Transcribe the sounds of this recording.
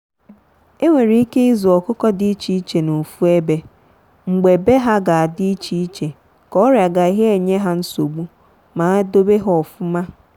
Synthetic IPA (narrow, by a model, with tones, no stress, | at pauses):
e˦ŋʷe˨ɾi˨˦i˦ke˦i˦zu˨ɔ˨kʊ˦kɔ˦dɪ˨i˦t͡ʃi˨i˦t͡ʃe˨no˨fu˦e˦be˦ | ŋ͡m̩˨ɡ͡be˨be˦ɦa˦ɡa˨a˨dɪ˦i˦t͡ʃi˦i˦t͡ʃe˨ | kɔ˦ɾja˨ɡa˨i˨ɦe˦e˨ɲe˦ɦa˦n̩˦so˨ɡ͡bu˦ | ma˨a˦do˦be˦ɦɔ˨fʊ˦ma˦